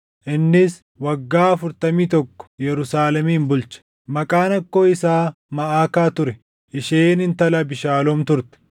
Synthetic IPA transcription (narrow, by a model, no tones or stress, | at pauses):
ʔɪnːɪs | wɐɡːaːɐfʊɾt̪ɐmiːt̪ɔkːɔ̥jɛɾʊsaːlɛmiːmbʊlt͡ʃɐ̥ | mɐkʼaːnɐkːoːɪsaː | mɐʔaːkaːt̪ʊɾɛ | ʔɪʃeːnɪnt̪ɐlɐbɪʃaːlɔmt̪ʊɾt̪ɛ̥